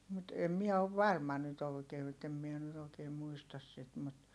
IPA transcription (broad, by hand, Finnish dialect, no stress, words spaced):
mut em miɛ oʋ ʋɑrmɑ nyt oˑikeː etːem mie nyt oːkeːm muistɑs sit mut